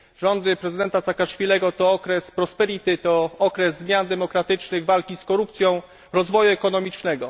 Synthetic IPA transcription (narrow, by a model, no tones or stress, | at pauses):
ʐɔnd̪ɘpɾɛzɘd̪ɛnt̪asakaʂfʲilɛɡɔt̪ɔɔkɾɛspɾɔspɛɾit̪ɘt̪ɔɔkɾɛzːmʲjand̪ɛmɔkɾat̪ɘt͡ʂnɘɣvalkʲiskɔɾupt̪sʲjɔ̃w̃ | ɾɔzvɔjuɛkɔnɔmʲit͡ʂnɛɡɔ̰